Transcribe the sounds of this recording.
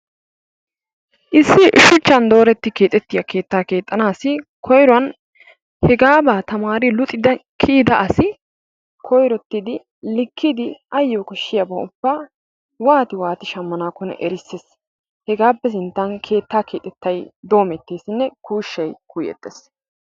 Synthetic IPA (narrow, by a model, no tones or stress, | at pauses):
ʔɪsːɪʃʊt͡ʃːɐnd̪o̞ːɾɛt̪ːɪke̞ːt̪ʼːɛt̪ːɪjɐke̞ːt̪ːaːke̞ːt̪ʼːɐnaːsɪkʰɔjɾɔɐn | hɛɡaːbaːt̪ɐmaːɾɪlʊt̪ʼːɪd̪ɐkʰiːd̪ɐʔɐsɪ | kʰɔjɾɔt̪ːɪd̪ɪ | lɪkʰːɪd̪ɪɐjːɔkɔʃːɪjɐbɐʊbːaː | waːt̪ɪwaːt̪ɪʃɐmːɐnaːkɔnɛ̰ʔɛɾɪsːes | hɛɡaːpːɛs̬ɪnt̪ːɐnkʰe̞ːt̪ːaːkʰe̞ːt̪ʼːɛt̪ːɐjd̪o̞ːmɛt̪ːeːsɪnːɛkuːʃːɐjkujɛ̰t̪ʼːes